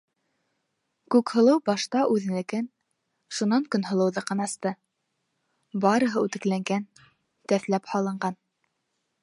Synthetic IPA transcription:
kʉkhɤ̆lˠɤwbɑʃt̪ɑʔʉðɘ̆nlɘ̆kɘn | ʃunɑŋkɵ̆nɦɤ̆lˠɤ̆wðɤqɤ̆nɑɑst̪ɤ | bɑɾɤ̆ɦɤʉt̪ɘ̆klæŋɡæn | t̪æθlæphɑlˠɤ̆ɴɢɑn

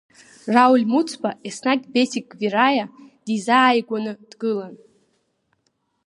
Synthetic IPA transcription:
rawlʲmut͡sʰbaʔesnakʲʼbesʰikʼvirajad̥izaːjɡʷanɨd̥ɡɨlan

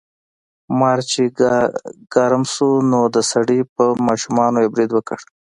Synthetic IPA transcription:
mɑɾt͡ʃe | ɡ̥ɑɾamʃunod̪əsaɽipəmɑʃumɑnojebɾid̪wəkə̰ɽ

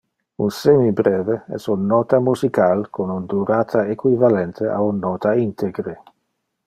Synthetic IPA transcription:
ṵnsemibɾeːveɛ̰sunːɔt̪amuzikalkʰonund̪uɾaːt̪ʰaekwivalɛnt̪ʰeʔa̰unːɔːt̪aint̪ʰeɡɾe

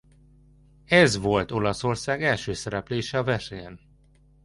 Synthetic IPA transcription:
ɛzvo̞lt̪o̞lɒso̞rsaːɡɛlʃøːsɛɾɛpleːʃɛɒvɛʃeːn

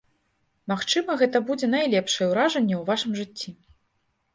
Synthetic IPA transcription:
maxt͡ʂɨmɐɣɛt̪ɐbud͡zʲɛnajlʲɛpʂɐjɛwɾaʐɐnʲːɛwvaʂɨmʐɨt͡sʲːi

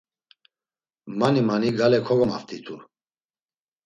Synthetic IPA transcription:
manimaniɡalɛkʰɔɡɔmaft̪ʰit̪ʰu

